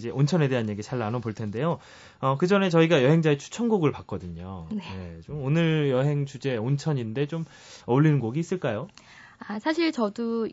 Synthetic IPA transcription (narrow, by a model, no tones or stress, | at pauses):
d͡ʑe̞ʔont͡ɕʰʌne̞de̞ɦanjeɡit͡ɕaɭːanoboɭtʰe̞nde̞jo | ʌkɯd͡ʑʌne̞t͡ɕʌiɡajʌɦe̞ŋd͡ʑaet͡ɕʰu̥t͡ɕʰʌnɡoɡɯɭpak͈ʌdɯɲo̰nene̞t͡ɕomonɯɾjʌɦe̞ŋt͡ɕud͡ʑe̞ont͡ɕʰʌɲinde̞t͡ɕom | ʌɭːinɯnɡoɡiːs͈ɯɭk͈ajo | asʰaɕʰiɭt͡ɕʌdo